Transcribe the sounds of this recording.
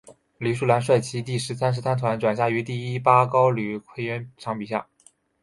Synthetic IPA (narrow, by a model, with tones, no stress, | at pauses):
ly˨˥ʂu˥˩la˧˥nʂwa˥˩ɪt͡ɕʰi˥t̪i˥˩ʂɻ̩˧˥sʰa˥nʂ̬ɻ̩˧˥t̪ʰa˥nt̪ʰwa˧˥nʈ͡ʂwa˨˩nɕja˥˩y˧˥t̪i˥˩i˥pa˥kɑ˥ʊly˨˩kʰwe˥ɪɥɛ˧˥nʈ͡ʂʰɑ˧˥ŋpi˨˩ɕja̰˥˩